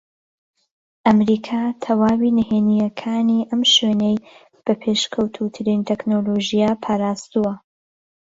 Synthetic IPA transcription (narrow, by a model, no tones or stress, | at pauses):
ʔɐmɾiːkʰat̪ʰɐwaːwinɨheːnijɐkʰaːniːʔɐmʃweːnej | b̥ɐpʰe̞ʃkʰɐwt̪ʰut̪ʰɨɾint̪ʰɛknoloʒijaːpʰaːɾaːst̪uwɐ